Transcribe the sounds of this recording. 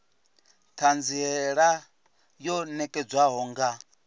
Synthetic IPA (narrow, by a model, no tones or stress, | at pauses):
t̪ʰand͡ziɦɛɺa | jɔnɛkʼɛd͡zwaɦɔːŋɡa